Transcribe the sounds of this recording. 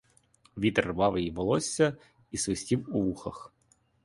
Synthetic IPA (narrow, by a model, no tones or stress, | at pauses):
ʋʲit̪rʋɑʋɪjiʋɔlˠɔsʲːɐ | isʋɪsʲtʲiwuʋuxɐx